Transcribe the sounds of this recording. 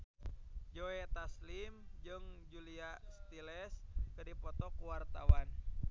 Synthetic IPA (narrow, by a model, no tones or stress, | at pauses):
d͡ʒoɛt̪aslimd͡ʒɨŋd͡ʒuliast̪ilɛskɨdipɔt̪ɔkuwart̪a̰wan